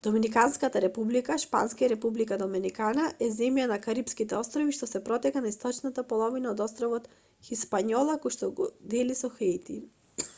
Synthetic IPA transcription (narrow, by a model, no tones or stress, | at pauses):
d̪̥ɔminikanskat̪aɾɛpublikaʃpa̰nskaaɾɛpublikad̪ɔminikanaʔɛzɛmjanakaɾipskit̪ɛɔst̪ɾɔviʃt̪ɔsɛpɾɔt̪ɛkanaist̪ɔt͡ʃnat̪apɔlˠɔvinaɔd̪ɔst̪ɾɔvɔt̪ | xispaɲɔlˠakojʃt̪ɔɡɔ̰d̪ɛlisɔxɛjt̪i